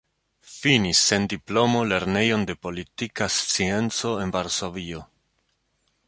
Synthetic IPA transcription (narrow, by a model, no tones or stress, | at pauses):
finisːe̞ndiplo̞mo̞le̞ɾne̞jo̞nde̞po̞litikast͡sie̞nt͡so̞e̞nvaɾso̞vio̞